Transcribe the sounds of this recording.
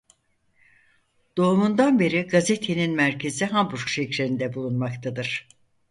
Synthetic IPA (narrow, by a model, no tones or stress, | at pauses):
d̪̥o̞umund̪anbe̞ɾiɡazet̪ʰeninmæɾcʰe̞ziɦambuɾkʃecɾeɾind̪ɛbulˠunmakt̪ʰad̪ɯɾ̥